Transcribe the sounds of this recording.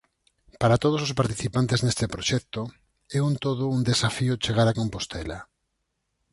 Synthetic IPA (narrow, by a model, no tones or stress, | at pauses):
paɾat̪oð̞os̬os̬paɾt̪iθipant̪eznest̪epɾoʃɛk̚t̪o | ɛunt̪oð̞ʊund̪esafiot͡ʃeɣaɾakompost̪ʰɛla̰